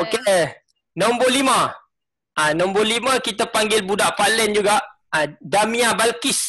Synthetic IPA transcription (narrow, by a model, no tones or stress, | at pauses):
oke | nɔmbolimã | anɔ̃mboliməkit̪əpaŋɡɪlbudaʔpalɛnd͡ʒuɡaʔ | adamĩabalkis